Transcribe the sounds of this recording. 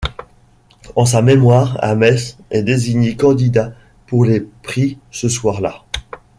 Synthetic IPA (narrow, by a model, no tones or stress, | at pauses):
ɑ̃s̬amemwaːʁa̰mɛsɛd̪eziɲekɑ̃d̪id̪a | puʁlepχisəswaʁla